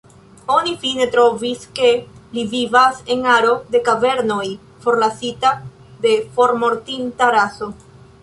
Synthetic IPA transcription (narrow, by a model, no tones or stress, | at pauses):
o̞nifine̞t̪ɾo̞viske̞livivase̞ŋaɾo̞de̞kave̞ɾno̞j | fo̞ɾlasita | de̞fo̞ɾmo̞ɾtintaɾaso̞